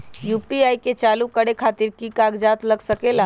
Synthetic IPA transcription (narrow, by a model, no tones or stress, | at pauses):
juːpiaːiket͡ʃaːlukəɽekʰaːt̪iɾkikaɡd͡ʒaːt̪ləɡsəkela